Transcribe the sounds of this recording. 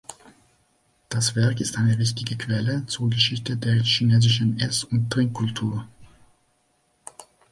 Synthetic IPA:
d̥asv̥ɛɐkɪstʔaɪnəvɪçtɪɡəkv̥ɛlət͡suɐɡəʃɪçtədeːɐçineːzɪʃən̩ʔɛsʊnttʁ̥ɪŋkʰːʊltʰuːɐ

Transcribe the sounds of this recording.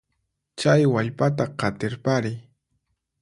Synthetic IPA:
t͡ʃajwaʎpat̪̬aqɑt̪ɪɾpaɾɪ

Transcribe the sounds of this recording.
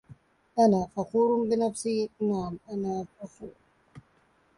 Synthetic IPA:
anafakuɾumbinafsinamanafafu

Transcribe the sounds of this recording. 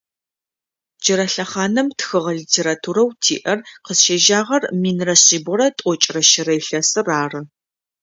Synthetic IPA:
d͡ʒɪɾɐɬɐχaːnɐmtxɨʁɐliːtʰeːɾaːtʰuːɾɐwtʰḭːʔɐrqəzʃeʒaːʁɐrmiːnrɐɕiːbɔɾɐtʼɔt͡ʃʼrɐʃɪrɐjɬɐsɨraːrɨ

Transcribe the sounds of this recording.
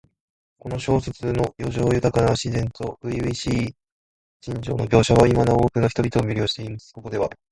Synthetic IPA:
ko̞no̞ɕo̞ːset͡sɨnojo̞ʑo̞ːjɯ̟t̪akanaaɕizẽ̞nt̪o̞̥ɯ̟ibiɕiː | d͡ʑĩɲd͡ʑo̞̰ːno̞bʲjo̞ːɕaβaimanao̞ːkɯ̟naçit̪o̞bʲit̪o̞ːmʲɯɾʲjo̞ːɕi̥t̪e̞imasɨ̥ko̞ko̞d̪e̞βa̰

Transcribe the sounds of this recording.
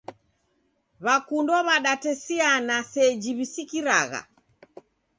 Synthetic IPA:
βakundɔβaɗatɛsianasɛd͡ʒiβisikiɾaɣa̰

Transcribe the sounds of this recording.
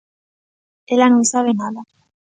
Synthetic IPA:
elanosaβenaða

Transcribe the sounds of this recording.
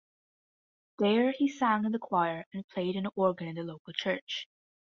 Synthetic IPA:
ðə˞isæ̃ŋɨ̃nðəkʰw̥aɪə˞ɨ̃npʰl̥eɪɾɨ̃nɔɹɡɨ̃nɨ̃nðɨloʊkl̩ˠt͡ʃʰɜ˞t͡ʃ

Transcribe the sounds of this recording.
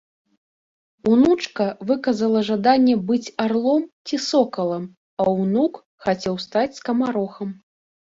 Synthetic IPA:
unut͡ʂkɐvɨkɐzɐlˠɐʐad̪anʲːɛbɨt͡sʲarlˠɔmt͡sʲisɔkɐlˠɐm | ɐwnuk | xat͡sʲɛwst̪at͡sʲskɐmaɾɔxɐm

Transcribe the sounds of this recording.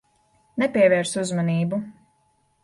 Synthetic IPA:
nɛpʲiɛvɛːɾsuzmɔniːbu

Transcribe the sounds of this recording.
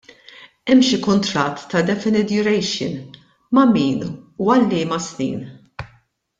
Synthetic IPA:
ɛmʃikʊnt̪ɾɐt̪ːɐd̪ɛfɪnɪt̪jʊɾɛjʃɪ̰n | mɐmiːnuɐlːɪːmɐsnḭːn

